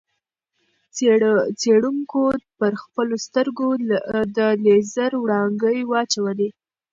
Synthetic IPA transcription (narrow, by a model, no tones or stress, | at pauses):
t͡seɽuŋkopəɾxpəlost̪əɾɡod̪əlezəɾwɽɑŋɡəjwɑt͡ʃawəli